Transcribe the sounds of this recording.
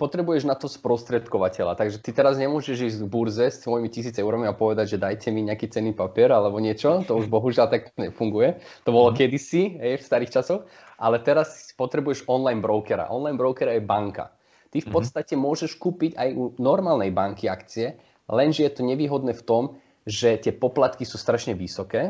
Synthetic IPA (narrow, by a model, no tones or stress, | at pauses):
pɔt̪ɾɛbujɛʒnat̪ɔspɾɔst̪ɾɛt̪kɔʋacɛʎa̰t̪aɡʒɛt̪it̪ɛɾazɲɛmʊɔʒɛʒiːzɟɡbuɾzɛst̪ʋɔjimicis̬iːt͡saɛʊɾamiapɔʋɛd̪aɟʒɛd̪ajcʰɛmiɲɛakiːt͡sɛnːiːpapiɛɾalɛbɔɲɪɛt͡ʃɔt̪ɔuʒbɔɦuʒɪalt̪akɲɛfuŋɡujɛ | t̪ɔbɔlɔkɛd̪isiɦɛjfst̪aɾiːxt͡ʃasɔx | ʔalɛt̪ɛɾaspɔt̪ɾɛbujɛʃɔnlajnbɾɔʊkɛɾa̰ʔɔnlajnbɾɔʊkɛɾaɛbaŋka̰ | t̪ifpɔt̪st̪acɛmʊɔʒɛʃkuːpiɟajunɔɾmaːlnɛjbaŋkiakt͡siɛ | lɛnʒɛjɛt̪ɔɲɛʋiːɦɔd̪nɛːft̪ɔm | ʒɛt̪ɪɛpɔplat̪kisuːst̪ɾaʃɲɛʋisɔkɛː